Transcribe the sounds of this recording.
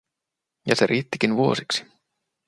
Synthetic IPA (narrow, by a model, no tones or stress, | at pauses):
jɑ̰seɾʔiːt̪ːik̟inʋuo̞̰siksi̥